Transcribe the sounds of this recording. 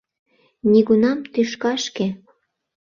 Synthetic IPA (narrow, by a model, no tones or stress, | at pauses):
nʲiɣunɑmt̪yʃkɑʃke